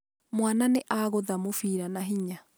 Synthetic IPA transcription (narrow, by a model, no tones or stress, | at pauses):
mwananeʔaɣoðamofiːɾanaɦiɲa